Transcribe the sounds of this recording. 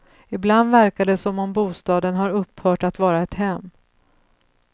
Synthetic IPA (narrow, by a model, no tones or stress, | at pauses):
ɪbland̪væɾkad̪ɛsɔmɔmbuːst̪ɑːd̪ənɦaɾɵpːhœːʈat̪vɑːɾaɛt̪hɛmː